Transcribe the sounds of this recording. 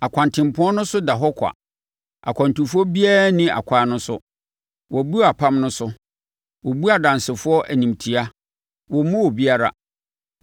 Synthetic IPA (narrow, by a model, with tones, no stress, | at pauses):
a˨kʷʰã˨ntʰɪ̃˨m˨pʊ̃˦ɔ˦nʊ̃˦sʊ˦da˨ɦɔ˦kʷʰa̰˨ | a̰˨kʷʰã˨ntu˨fɔ˦bi˦a˦ɾnɪ̃˦a̰˨kʷʰaː˨˦nʊ̃˦sʊ˦ | wɔ˨bu˦˨a˨pʰã˦mnʊ̃˦sʊ˦ | wɔ˨bu˦a˨dã˨nsɪ˨fʊ˦ɔ˦ʔæ˨nĩ˨mtʰi˨a˦ | wɔ˨mʊ̃˦wɔ˨bi˦a˦ɾa̰˨